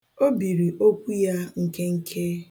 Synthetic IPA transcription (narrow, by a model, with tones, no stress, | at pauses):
o˦bi˨ɾi˨ʔo˦kʷu˦ja˦ŋ̩˦ke˦ŋ̩˦kʰe˦